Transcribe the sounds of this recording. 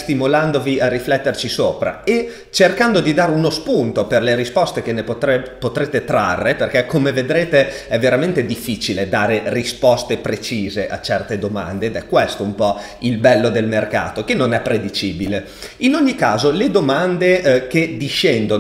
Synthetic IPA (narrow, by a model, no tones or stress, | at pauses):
st̪imoland̪oviarːiflɛt̪ːert͡ʃisoːpɾa̰e | t͡ʃerkand̪od̪id̪aːɾeunospunt̪operleɾispɔst̪ek̟enːepot̪epot̪ɾeːt̪et̪ɾa̰rːeperkɛkomeved̪ɾeːt̪eɛvːeɾament̪ed̪ifːiːt͡ʃiled̪aːɾerispɔst̪epɾet͡ʃiːzeʔa̰t͡ʃɛrt̪ed̪oma̰nd̪eːd̪ɛkːwest̪oumpɔ | ilbɛlːod̪elmerka̰ːt̪ok̟enːonɛpːɾed̪it͡ʃiːbile | inoɲːikaːzoled̪omand̪ek̟ed̪iʃːɛnd̪on